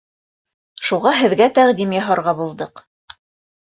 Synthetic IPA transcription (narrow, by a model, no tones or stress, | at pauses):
ʃuʁɑɦɘ̆ðɡæt̪æʁd̪imjɑɦɑɾʁɑbulˠd̪ɤq